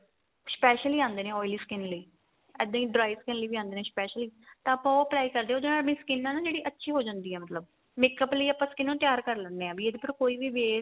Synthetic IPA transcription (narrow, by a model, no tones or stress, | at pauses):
spɛːʃəliːãːnd̪eːnẽːɔːɪliːskɪnləiː | ɛ̰ːd̪ːãːĩːɖɾaːiskɪnləiːbiːãːnd̪eːnẽːspɛːʃəliːt̪ãːəpãoːəplaːiːkəɾd̪eːoːd̪eːnaːlbĩːsəkɪnːãːnaːd͡ʒeːɽiːʔətːʃʰiːɦoːd͡ʒãːnd̪iːɦɛːmət̪ləb | mɪkəpləiːəpãːskɪnːõːt̪ɪjaːɾkəɾlənːeːãːbiːeːd̪eːpʰɪɾkoːiːʋiːʋeː